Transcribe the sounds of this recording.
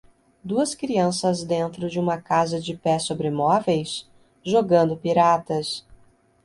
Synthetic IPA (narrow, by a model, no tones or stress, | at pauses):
d̪uɐskɾiɐ̃sɐzd̪ẽnt̪ɾʊd͡ʒɪũmɐkazɐd͡ʒɪpɛsobɾɪmɔvejs | ʒoɡɐ̃nd̪ʊpiɾat̪ɐs